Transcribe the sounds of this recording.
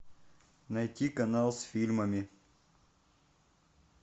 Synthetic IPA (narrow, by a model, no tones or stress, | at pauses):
nɐjtʲikɐnalˠsfʲilʲməmʲɪ